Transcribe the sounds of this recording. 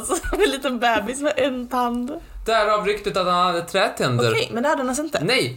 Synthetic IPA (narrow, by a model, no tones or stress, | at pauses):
sɛnliːt̪ənbɛːbɪsmɛʔɛnːt̪ʰand̪d̪̥ææɾɑːvɾʏkt̪ɪt̪at̪hanhad̪ːət̪ʰɾɛːt̪ʰɛnd̪oəɾkɾʰɛjmɛnɛhad̪ːhanasɪnt̪ənɛj